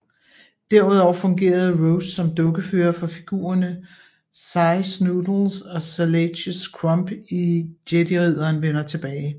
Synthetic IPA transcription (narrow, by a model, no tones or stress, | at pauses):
d̥æɐuð̞ˠɒʊɐfɔ̽ŋɡe̝̰ːɐðˠʁoʊsːɒ̽md̥ɔ̽ɡ̥əfyːɐfɒ̽fiɡ̥ṵːɐnə | sɑ̈ɪsnud̥l̩sɒ̽sæleɕəskʰʁɒmb̥id̥jed̥iʁið̞̰ˠɐːnʋen̰ɐt͡sʰe̝b̥ɛːɪ